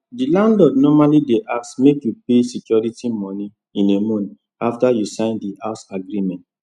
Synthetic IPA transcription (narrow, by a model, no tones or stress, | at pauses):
dilãndɔdnɔmalideʔaksmekjupesikjɔɹitimɔni | ĩnemɔ̃ni | aftajusãɪ̃ndiʔasaɡɾimɛ̃nt